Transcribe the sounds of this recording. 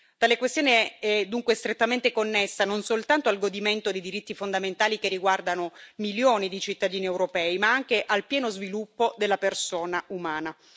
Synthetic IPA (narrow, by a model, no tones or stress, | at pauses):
t̪aːlekwest̪joːneɛd̪uŋkwest̪ɾet̪ːament̪ekonːesːanonsolt̪ant̪oalɡod̪iment̪od̪ejd̪iɾit̪ːifond̪ament̪aːlikerːiɡward̪anomiljoːnid̪it͡ʃit̪ːad̪iːniewɾopɛːimaaŋkeʔalpjɛːnozvilupːod̪elːapersoːnaumaːna